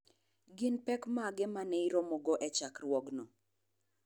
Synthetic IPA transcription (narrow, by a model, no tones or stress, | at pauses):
ɡɪnpɛkmaɡɛmanɛiɾɔmɔɡɔʔɛt͡ʃakrwɔɡnɔ